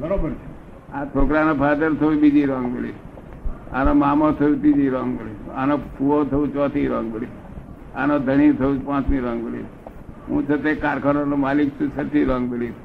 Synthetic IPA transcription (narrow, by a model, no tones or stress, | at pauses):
bəɾobəɾt͡ʃʰe | ãt͡ʃʰoːkɾanopʰad̪əɾt̪ʰəubid͡ʒiɾɔ̃ŋɡbeli | a̰nõmaːmõt̪ʰəũt̪id͡ʒiɾɔ̃ːŋɡbelia̰nopuot̪ʰəũt͡ʃɔːt̪ʰiɾɔ̃ːŋɡbəli | a̰nõd̪ʱəɳit̪ʰəũpãːt͡ʃmĩɾɔ̃ːŋɡəlḭ | ɦṵ̃ːt͡ʃʰət̪ekaːɾkʰanonõmaːlikt̪ʰəut͡ʃʰəɾt̪ʰiɾɔ̃ːŋɡbəli